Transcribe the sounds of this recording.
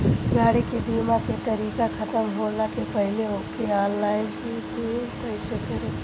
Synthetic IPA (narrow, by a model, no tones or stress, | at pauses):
ɡaːɽikebiːmaket̪ɐɾiːkakʰɐt̪əmɦoːnakepɐɦleɦokeaːnlaːɪnkikupɐɪsəkɐɾe